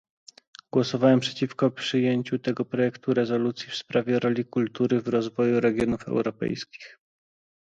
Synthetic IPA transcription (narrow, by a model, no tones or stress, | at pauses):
ɡ̥wɔsɔvawɛmpʂɛt͡ɕifkɔpʂɘjeɲt͡ɕut̪ɛɡɔpɾɔjɛkt̪uɾɛzɔlut̪sʲjifspɾavʲjɛɾɔlʲikult̪uɾɘvɾɔzvɔjuɾɛɡʲjɔnufɛ̰wɾɔpɛ̰jskʲi̥x